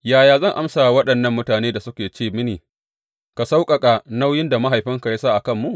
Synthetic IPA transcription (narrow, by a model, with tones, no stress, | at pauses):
jaː˨jaː˨zɐ˦˨ŋʔa˦msa˨wɐ˦ɗɐ˨nːɐ˦˨mːʊ˦taː˨neː˦da˨sʊ˦kʲeː˨t͡ʃeː˦˨mɪ˦niː˨ | ka˨sa˦wkʼɐ˨kʼa˨na˦wjɪ˦nda˨ma˦ɦa˨jɸɪ˦ŋka˨ja˦saː˦˨ʔa˨kɐ˦˨mːu˦ʔ